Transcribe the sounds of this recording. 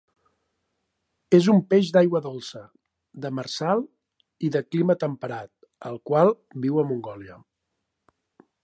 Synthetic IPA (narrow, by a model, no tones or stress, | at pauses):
ezumpeʒd̪ajɣwəðolˠsə | d̪əmərsalˠ | iðəklimət̪əmpəɾat̪̚ | əlˠkwalˠ | biwəmuŋɡɔljə